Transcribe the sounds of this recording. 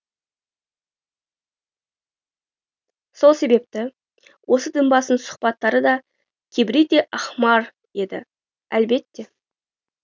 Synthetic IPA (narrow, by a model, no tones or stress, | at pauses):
so̞lˠse̞be̞p̚t̪ɪ | wʔo̞səd̪ɪmbɑsənsʊ̥χpɑt̪ːɑɾəd̪ɑ | kʲʰebɪɾet̪e̞ʔɑχmɑɾ | je̞d̪ɪ̰ | ælbe̞t̪ːe̞